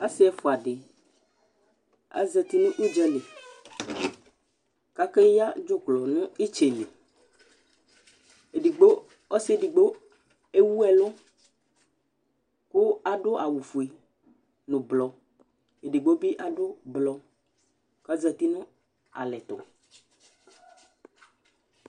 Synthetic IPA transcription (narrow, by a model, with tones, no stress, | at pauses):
a˦sɪ˦ɛ˦fʊ˨a˨ɖɪ˨ | a̰˦zɛ˨t̪i˦nʊ̃˦ʔu˦d͡ʒɛ˦le˨ | ka˦ke˦ja˦d͡ʒo˦klɔ˨nʊ̃˦i˦t͡ʃe˨le˨ | e˨di˨ɡ͡bo˦ | ɔ˦se˦di˨ɡ͡bo˦ | e˦wu˦ɛ˨lo˦ | kʊ˦a˨ɖo˦ʔa˨wu˨fu˨e˨ | nʊ̃˨blɔ˨ | e˨ɖi˨ɡ͡bo˦bi˦ʔa˨ɖo˦blɔ˨ | ka˦zə˨t̪i˦nʊ̃˦ | a̰˨lɛ˨t̪ɔ̰˨